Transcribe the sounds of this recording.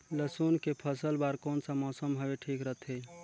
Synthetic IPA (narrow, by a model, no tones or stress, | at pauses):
ləsunkepʰəsəlbaɾkonsəmɔːsəmɦəbeʈʰikɾəɦt̪ʰe